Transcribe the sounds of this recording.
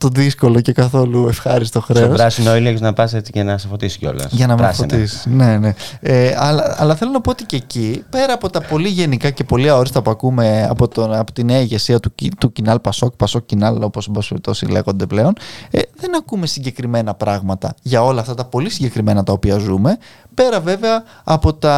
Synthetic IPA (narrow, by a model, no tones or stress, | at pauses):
t̪o̞ðisko̞lo̞ce̞kɐθo̞luefxɐɾist̪o̞xɾe̞oɾɐsinoilikoznɐpɐset͡sicenɐsɐfot̪isi̥ceo̞̰lɐ̰sʝɐnɐmiffot̪isi̥ne̞ne̞eɐlɐɐlɐθe̞lo̞nɐpo̞ot̪icecipe̞ɾɐːpo̞t̪ɐpo̞liʝe̞nikɐce̞po̞lioɾist̪ɐpuɐkume̞ɐ̰pot̪oɐpot̪ineɐiʝe̞siɐt̪ut̪ucinɐlpɐso̞kpɐso̞kcinɐlo̞posombɐspelit̪o̞sile̞̰ɣo̞nd̪e̞ple̞o̞nðe̞nɐkume̞siɲɟe̞kɾime̞nɐpɾɐɣmɐt̪ɐ̰ʝɐo̞lɐːft̪ɐt̪ɐpo̞lisiɲɟe̞kɾime̞nɐt̪ɐo̞piɐzume̞ | pe̞ɾɐve̞ve̞ɐː | po̞t̪ɐ